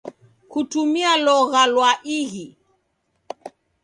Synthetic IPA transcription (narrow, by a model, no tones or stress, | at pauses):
kutumialɔɣalwaʔiɣi